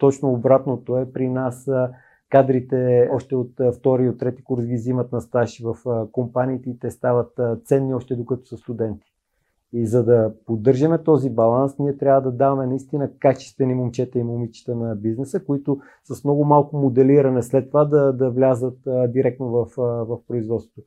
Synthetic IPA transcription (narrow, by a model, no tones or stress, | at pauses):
t̪ɔt͡ʃnoːbɾat̪not̪oɛpɾinas | kad̪ɾit̪ɛɔʃt̪ɛot̪ft̪ɔɾiot̪ːɾɛt̪i̥kuɾsɡʲizimɐt̪nɐst̪aʃivɐfkompaniːt̪ɛit̪ɛst̪avət̪t̪sɛnːiɔʃt̪ɛd̪okɐt̪o̥səst̪ud̪ɛnt̪i̥ | izɐd̪ɐpod̪ːɤɾʒəmɛt̪ɔzibɐlˠansniɛt̪ɾʲavəd̪ɐd̪avɐmɛnɐist̪inəkat͡ʃɛ̥st̪vɛnimomt͡ʃɛt̪ɛimomit͡ʃi̥t̪ənɐbiznɛsəkoit̪ʊ | sɐsmnɔɡʊmalˠkʊmod̪ɛliɾɐnɛslɛt̪ːovad̪ɐd̪ɐvlʲazət̪d̪iɾɛk̚t̪novɐfvɐfpɾʊizvɔt̪svo̥t̪o